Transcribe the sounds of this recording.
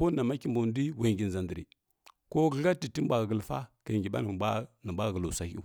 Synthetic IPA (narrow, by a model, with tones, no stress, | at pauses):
po˦nːa˨ma˦ki˦˨mbo˨n˦di˦we˨ŋɡi˨n˨za˨ndə˨ɾḭ˨ | ko˦ɡə˦ɣa˦ti˨ti˦m˦bʷa˨ɡɡə˨lfa̰˦ka˨ŋɡi˨ɓa̰˦n˨˦nə˨bʷa˦ɡə˨lu˨sa˨hu˦